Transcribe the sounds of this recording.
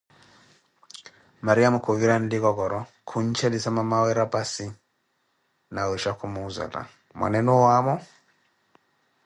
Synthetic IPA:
maɾiamukʰuviɾandikɔkɔɾɔ | kʰuɲ̩t͡ʃɛlisamamawɛɾapasi | nawɛʃakʰumuːza̰la̰ | mwa̰nɛnuwamɔ

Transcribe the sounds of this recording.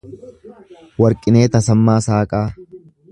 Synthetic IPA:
wɐɾkʼɪne̞ːt̪ɐsɐmːaːsaːkʼaː

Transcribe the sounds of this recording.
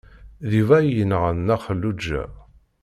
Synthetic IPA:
ðivæjənəʁənːæχəlːud͡ʒːæ̰

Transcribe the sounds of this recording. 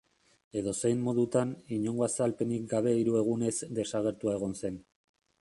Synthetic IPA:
e̞ðo̞se̞jmmo̞ðut̪aniɲo̞ŋɡo̞asalpe̞nik̚ɡaβ̞e̞iɾue̞ɣ̞une̞zd̪e̞saɣ̞e̞ɾt̪uae̞ɣ̞o̞nse̞n

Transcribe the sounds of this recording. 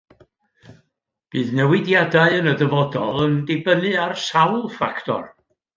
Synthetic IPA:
b̥ɨːðnɛwɪdjadaɨənədəvɔdɔ̰lˠəndebənɨarsawlˠfa̰ktʰɔ̰r

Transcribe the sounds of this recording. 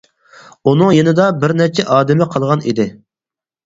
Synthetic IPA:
unɨŋjenɪd̪ɑbɪɾnɛt͡ʃʰɛʔɑːd̪ɪmɪqʰɑlˠʁɑnḭd̪ɪ

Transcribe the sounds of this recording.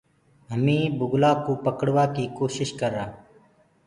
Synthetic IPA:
ɦəmĩːbʊɡlaːkoːpəkəɽʋaːkiːkoːʃɪʃkəɾaː

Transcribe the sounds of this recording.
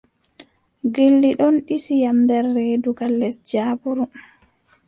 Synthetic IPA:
ɡelːiɗɔnɗisijamdɛɾːeːduɡalːɛsd͡ʒaːbuɾu

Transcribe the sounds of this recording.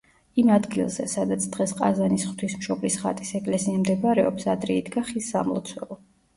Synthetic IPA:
imad̪ɡilˠzɛ̰sad̪at̪sʰd̪̥ʁɛsqʼa̰zanisχwt̪ʰismʃɔblisχa̰t̪ʼisɛkʼlɛsiamd̪ɛbaɾɛɔpsad̪ɾɛid̪ɡaχisːa̰mlˠɔ̰t̪sʰwɛ̰lˠɔ

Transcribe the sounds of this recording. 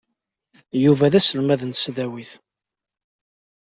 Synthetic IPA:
juvæðæsəlmæðənt̪sðæwiθ

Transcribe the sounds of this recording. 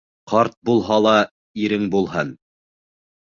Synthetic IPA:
qʰɑɾt̪̚bulˠɦɑlˠɑ | iɾɘŋbulˠɦɤn

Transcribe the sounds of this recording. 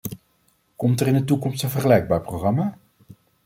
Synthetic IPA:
kɔmtərɪndətukɔmstənvəχəlɛjɡ̚baːɹprowχrɑmaː

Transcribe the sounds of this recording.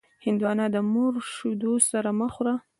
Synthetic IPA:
hɪnd̪uwɑnɑd̪əmoɾʃud̪osaɾaməxɾa

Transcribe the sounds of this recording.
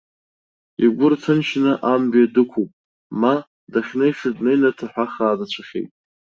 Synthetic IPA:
iɡʷʊrtʰɨnʃnɨʔambjadɨkʷʰupʼ | ma | daχʲnejʂɪdnejnatʰaħʷᶣaχaːdat͡ɕʷʰaχʲḛjtʼ

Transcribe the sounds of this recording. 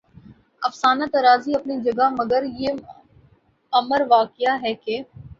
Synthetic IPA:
ɐfsaːnat̪ɐɾaːziɐpnid͡ʒɐɡamɐɡəɾje | ɐməɾʋaːkɪjaɦɛːkeː

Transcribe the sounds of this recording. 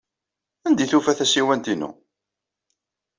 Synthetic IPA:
ænd̪iθufæθæsiwænt̪inṵ

